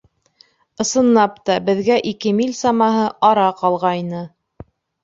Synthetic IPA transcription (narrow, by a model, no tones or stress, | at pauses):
ɤ̆sɤ̆nːɑpt̪ɑbɘ̆ðɡæʔikɘmilʲsɑmɑɦɤʔɑɾɑqɑlˠʁɑjnɤ